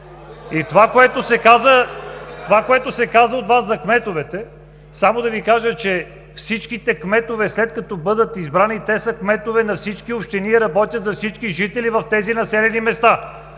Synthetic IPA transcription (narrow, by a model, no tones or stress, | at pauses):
it̪ovakoɛt̪osɛkazət̪ovakoɛt̪osɛkazəod̪vaszɐkmɛt̪ovɛt̪ɛ | samod̪ɐvikaʒət͡ʃɛ | fsit͡ʃkit̪ɛkmɛt̪ovɛslɛt̪̚kɐt̪ɔbɤd̪ət̪izbɾanit̪ɛsəkmɛt̪ovɛnɐfsit͡ʃkiopʃt̪ɛniɾɐbɔt̪ʲjət̪zɐfsit͡ʃkiʒit̪ɛlivɐft̪ɛzinɐsɛlɛnimɛst̪a